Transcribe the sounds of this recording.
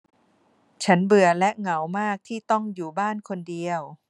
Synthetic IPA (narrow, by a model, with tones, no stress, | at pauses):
t͡ɕʰa˦˥nbɯ˨˩ɐlɛ˦˥ʔŋa˩˦wmaː˥˩k̚t̪ʰiː˥˩t̪ɔ˥˩ŋjuː˨˩baː˥˩nkʰo˧ndi˧əw